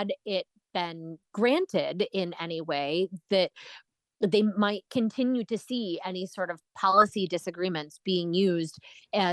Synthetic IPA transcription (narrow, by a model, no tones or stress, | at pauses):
ɨɾɪt̚b̥ɪ̃nɡ̥ɹæ̃ntʰɪdɪ̃nɛniweɪðɨt̪̚ | ðeɪmaɪt̚kʰɨ̃ntʰɪ̃njʉɾɨsiɛnisɔɹɾʌv̥pʰɑlˠəsidɨsɨɡɹĩmɨ̃ntsb̥iɪ̃ŋjʉzdɨ